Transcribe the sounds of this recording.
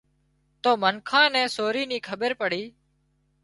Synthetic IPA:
t̪oːmənkʰãːnɛ̃ːsoːɾiːniːkʰəɓəɾpəɽiː

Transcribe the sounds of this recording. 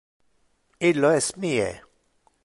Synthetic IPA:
iloesmiḛ

